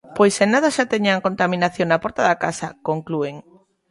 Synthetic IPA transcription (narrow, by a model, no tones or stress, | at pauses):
pojsenað̞aʃat̪eɲaŋkont̪amĩnaθjoŋnapɔɾt̪aðakasakoŋklueŋ